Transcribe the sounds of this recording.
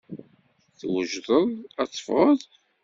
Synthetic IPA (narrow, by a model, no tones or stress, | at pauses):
θwəʒðˤəðˤɑt͡sˤːə̥fʁəðˤ